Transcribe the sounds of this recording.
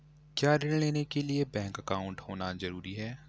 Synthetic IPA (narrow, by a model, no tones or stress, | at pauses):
kjaːɾɪlleːnekeliebɛ̃ːŋkɐkaːʊ̃ɳʈɦoːnazɐɾuːɾiɦɛː